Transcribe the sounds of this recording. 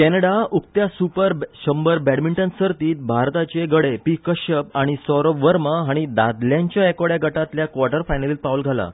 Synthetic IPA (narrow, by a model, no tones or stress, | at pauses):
kɛnəɽauk̚t̪jasupəɾɕəmbəɾbɛɽmiɳʈənsəɾt̪iːt̪̚bʱaɾt̪at͡ɕeɡəɽepikəɕəp̚aɽ̃isɔɾɔʋəɾməɦaɽ̃id̪ad̪ljãɲt͡ɕjaekɔɽjaɡəʈat̪ljakʋaɾʈəɾfajnaliːl̚paʋəlɡʱala̰